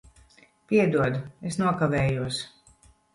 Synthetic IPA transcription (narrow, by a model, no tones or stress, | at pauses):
pʲiɛd̪uɔd̪uesnuɔkavɛːjuɔs